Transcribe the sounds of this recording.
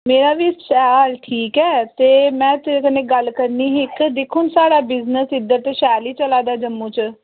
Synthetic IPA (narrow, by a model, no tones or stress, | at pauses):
meːɾaːʋiːsaːlʈʰiːkɛːt̪eːmɛ̃ːt̪kənẽːɡəlkəɾniːɦɪkd̪ɪkʰʊnsaːɽaːbɪznəsɪd̪ːəɾt̪eːʃaːliːt͡ʃəlaːd̪aːd͡ʒəmːũːt͡ʃ